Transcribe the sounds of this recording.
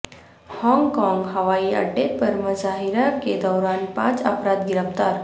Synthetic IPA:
hɔ̃ŋɡkɔ̃ŋɡɦəʋaiə̰ɖepəɾməzaɦiɾaked̪ɔwɾanpã̰t͡sa̰pɾad̪ɡiɾəft̪aɾ

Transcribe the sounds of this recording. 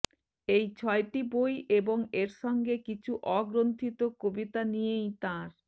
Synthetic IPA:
ejt͡ɕʰɔeʈibojʔeboŋeɾʃɔŋɡekit͡ɕʰuʔɔɡɾont̪ʰit̪okobit̪anijejt̪aɾ

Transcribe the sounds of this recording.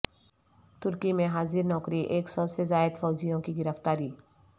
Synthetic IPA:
t̪ʊɾkimẽɦaːziɾnɔːkɾiʔeːksɔsezaːɪd̪fɔːd͡ʒijõkiɡɪɾəft̪aːɾiː

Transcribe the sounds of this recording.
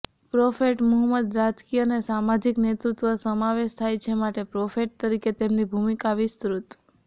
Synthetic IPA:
pɾofeʈmʊɦəmːəd̪ɾad͡ʒkijənesamad͡ʒiknet̪ɾut̪ʋəsəmaʋeʃt̪ʰajt͡ʃʰemaʈepɾofeʈ̚t̪əɾiket̪emnibʱumikaʋɪst̪ɾut̪

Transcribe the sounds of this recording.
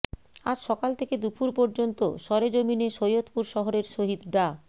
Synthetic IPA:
ad͡ʑʃɔkalt̪ʰeked̪upʰuɾpoɾd͡ʑont̪o̰ʃɔɾed͡ʑomineʃojot̪puɾʃɔɦoɾeɾʃoɦid̪ɖa

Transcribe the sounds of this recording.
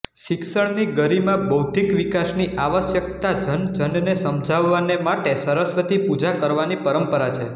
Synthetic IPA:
ʃɪkʃəɭniɡəɾimãbəwt̪ikʋikasniʔaʋəsjək̚t̪ad͡ʒənd͡ʒənnesəmd͡ʒʱaʋːanemaʈesəɾəsʋət̪ipud͡ʒakəɾʋanipəɾəmpəɾat͡ʃʰe

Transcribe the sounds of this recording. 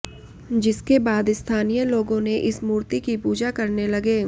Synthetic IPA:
d͡ʒɪskebaːd̪ɪst̪ʰaːnijəloːɡõneʔɪsmuːɾt̪ikipuːd͡ʒakɐɾnelɐɡeː

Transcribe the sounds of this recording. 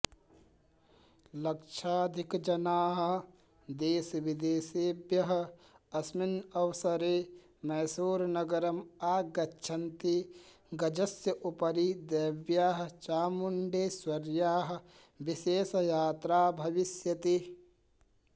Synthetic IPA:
lɐkt͡ʃʰaːd̪ʱikd͡ʒɐnaːɦ̆ | d̪eːsʋid̪eːseːbjɐɦ | ɐsminɐwsɐɾeː | mɛːsuːɾnɐɡɐɾɐmaːɡɐtːʃʰɐnt̪i | ɡɐd͡ʒɐsjəʔupɐɾid̪eːbjaːɦt͡ʃaːmuɳɖeːswɐɾjaːɦ̆ | ʋiseːsjaːt̪ɾaːbʱɐʋɪsjɐt̪i

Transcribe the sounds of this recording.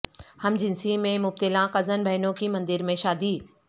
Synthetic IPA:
hɐmd͡ʑɪnsimẽmʊb̚t̪ɪlãqɐzənbʱɐɦɪnõkimɐ̃nd̪ɪɾmẽʃaːd̪iː

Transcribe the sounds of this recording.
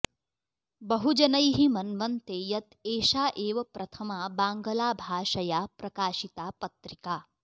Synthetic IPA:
bɐɦud͡ʒɐnɐjɦimɐnʋɐnt̪eːjɐt̪eːʃaːʔeːʋɐpɾʔɐt̪ʰɐmaːbaːŋɡɐlaːbʱaːʃɐjaːpɾɐkaːʃit̪aːpɐt̪ɾikaː

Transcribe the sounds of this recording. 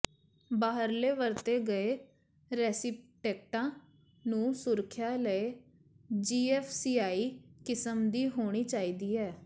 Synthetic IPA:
baːɦəɾleːʋəɾt̪eːɡəeː | ɾɛːsɪpʈɛːk̚ʈãː | nũːsʊɾkʰjaːləeː | d͡ʒiːɛːfʰsiːaːiːkɪsəmd̪iːɦoːɽ̃iːt͡ʃaːiːd̪iːɛː

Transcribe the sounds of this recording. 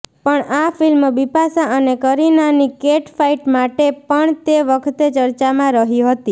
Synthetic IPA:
pəɳafilmʋipasaənekəɾinanikeʈfaiʈmaʈepəɳt̪eʋəkʰt̪et͡ʃəɾt͡ʃamãɾəɦiɦət̪i

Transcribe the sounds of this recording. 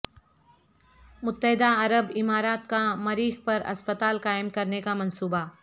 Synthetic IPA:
mʊt̪ːəɦɪd̪aɐɾəbɪmaːɾaːt̪kamɐɾiːxpɐɾɐ̰spət̪aːlqaːɪmkɐɾnekamɐ̃nsuːba

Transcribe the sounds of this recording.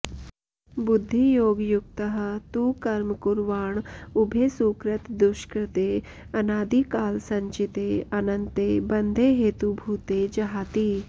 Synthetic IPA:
bʊd̪ʱːijoːɡjuk̚t̪əɦə̆t̪ukɐɾmkuɾʋaːɳubʱeːsuːkɾət̪d̪ʊʃkɾɪt̪eː | ɐnaːd̪iːkaːlsɐ̃ɲt͡ʃit̪eːɐnɐnt̪eːbɐnd̪ʱeːɦeːt̪ubʱuːt̪eːd͡ʒɐɦaːt̪iː

